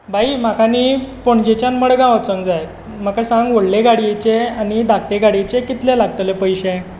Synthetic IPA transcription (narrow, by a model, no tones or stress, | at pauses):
bʱaim̤akanipoɳd͡ʑet͡ɕjanməɽɡãʋət͡səŋɡd͡zajet̪ | m̤akasãŋɡʋoɽleɡaɽijet͡ɕeanid̪ʱak̚ʈeɡaɽjet͡ɕekit̪lɛlaɡ̚t̪əlepəjɕɛ